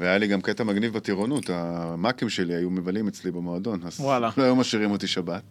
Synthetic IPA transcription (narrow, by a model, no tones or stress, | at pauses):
veajaliɡamket̪amaɡnivbat̪iʁonut̪amakimʃe̞liajumevalimet͡slibemo̞ad̪o̞nazwalaloajumaʃiʁimot̪iʃabat̪